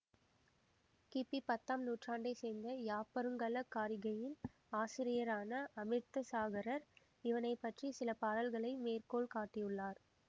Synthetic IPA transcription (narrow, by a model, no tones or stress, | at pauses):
kipipɐt̪ːaːmnuːʈraːɳɖɐɪseːnd̪ɐjaːpɐɾɯŋɡɐlɐkːaːɾɪɣɐjɪl | aːsɪɾɪjɐɾaːnɐʔɐmɪɾt̪ɐsaːɣɐɾɐɾ | ɪʋɐnɐɪpːɐʈrisɪlɐpaːɾɐlɣɐɭɐɪmeːrkoːɭkaːʈːɪjɯɭːaːɾ